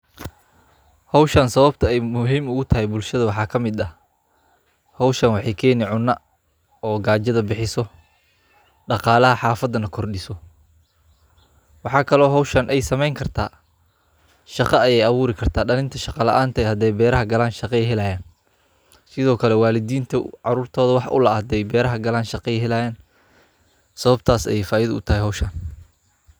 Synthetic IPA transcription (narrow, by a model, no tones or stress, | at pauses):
hɔwʃɐnsɐβɐb̚t̪ʰɐɛjmʊɦiːmʊɣʊt̪ʰɐɦɛjbʊlʃɐðɐwɑħɑːkʰɐmɪd̪ɐ | hɔwʃɐnwɑħɑjkʰɛːnɪʕʊnːɐ | ɔːɡaːd͡ʒɐðɐbɪħɪsɔ | ɖɑqɑːlɐɦɐħɑːfɐd̪ɐnɐkʰɔrɗɪsɔ | wɑħɑːkʰɐlɔːɦɔwʃɐnʔɛjsɐmɛjŋkʰɐrt̪ʰa̰ː | ʃɑqɑɐjɛjɐβuːɾɪkʰɐrt̪ʰaːɖɐlɪnt̪ʰɐʃɑqɑlɐ̰ʔaːnt̪ʰɐɛhɐd̪ɛjbɛːɾɐɦɐɡɐlaːnʃɑqɛɛjɦɛlɐjaːn | sɪðɔːkʰɐlɛwaːlɪd̪iːnt̪ʰɐʕɑɾuːrt̪ʰɔːðɐwɑħʔʊ̰lɐhɐd̪ɛjbɛːɾɐɦɐɡɐlaːnʃɑqɑɛɦɛlajaːn | sɐβɐb̚t̪ʰaːsɛ̰jɛjfaːjɪɐðɐʊt̪ʰɐɦɛjɦɔwʃɐn